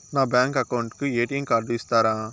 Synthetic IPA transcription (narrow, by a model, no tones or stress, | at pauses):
nãːbaːŋkɐkɐwʊɳɖkɯeːʈɪjɐŋkaːɾɖ̪ɯʋɪst̪aːɾãː